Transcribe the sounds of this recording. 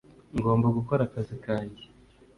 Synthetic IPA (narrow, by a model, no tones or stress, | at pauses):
ŋɡo̞ːmbaɡuko̞ɾakazikaːnɟi